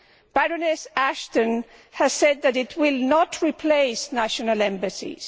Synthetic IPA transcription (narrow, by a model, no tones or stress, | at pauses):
b̥aɹənɛsæʃtə̃n | həz̥sɛd̪̚ðɨɾɪtʰwɪlˠnɔtʰɹipʰleɪsnæʃɔnəlɛ̃mbɨsḭz̥